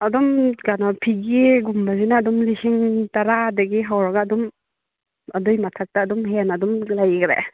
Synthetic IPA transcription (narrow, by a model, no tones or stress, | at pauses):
ɐdɔmɡanɔpʰiɡiɡumbazinaːdɔmlisiŋtaɾadɐɡiɦawɾaɡaːdɔm | ɐdɔjmatʰak̚taːdɔmɦenadɔmlajɡɾḛ